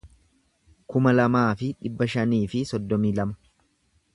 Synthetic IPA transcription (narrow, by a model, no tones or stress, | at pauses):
kʊmɐlɐmaːfɪᶑɪbːɐʃɐniːfɪsɔd̪ːɔmiːlɐmɐ̥